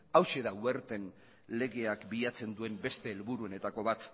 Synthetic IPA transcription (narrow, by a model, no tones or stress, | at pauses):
awʃe̞ðawe̞ɾt̪e̞n | le̞ɣe̞akbiʎat͡se̞nd̪ue̞mbe̞st̪e̞ːlβuɾuo̞ne̞t̪ako̞βat̪